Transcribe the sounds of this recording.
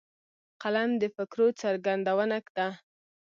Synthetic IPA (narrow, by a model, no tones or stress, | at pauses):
qalamd̪əfɪkɾot͡saɾɡand̪awənakd̪a